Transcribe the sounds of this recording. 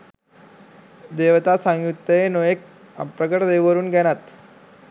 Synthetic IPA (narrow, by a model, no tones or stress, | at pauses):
d̪eʋt̪asãŋɡjut̪ːəenojek̚ | əpɾəkəʈd̪eʋʋəɾuːnɡʱɛɽ̃at̪